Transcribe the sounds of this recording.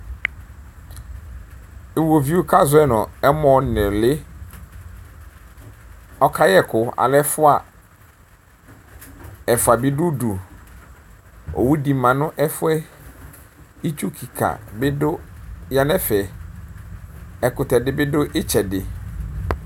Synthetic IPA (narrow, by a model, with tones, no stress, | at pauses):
ɪ˨wo˨vi˦ʊ˦kʰa˦zʊ˨˦ɛ˦nɔ̃˨ɛ˦mɔ̃˨nɛ̃˨lɪ˦ | ɔ˦kʰa˦jɛ˦˨kʰʊ˨a̰˨lɛ˦fʊ˦a˨ | ɛ˨fʊ˨a˨bi˦du˦du˨ | o̰˨wu˦di˨mã˨nʊ̃˦ʔɛ˦fʊ˦ɛ˦ | i˦t͡ʃu˦kʰi˨kʰa̰˨bɪ˦dʊ˦ja˨nɛ̃˦fɛ˨ | ɛ˨kʊ˨tɛ˨dɪ˦bɪ˦dʊ˦ʔɪ˦t͡ɕʰɛ˨dɪ˨